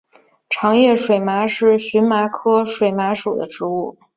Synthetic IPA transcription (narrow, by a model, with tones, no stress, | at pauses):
ʈ͡ʂʰɑ˧˥ŋjɥɛ˥˩ʂwe˨˩ɪma˧˥ʂɻ̩˥˩ɕy˧˥nma˧˥kʰɤ˥ʂwe˨˩ɪma˧˥ʂu˨˩d̪ə˦ʈ͡ʂɻ̩˧˥u˥˩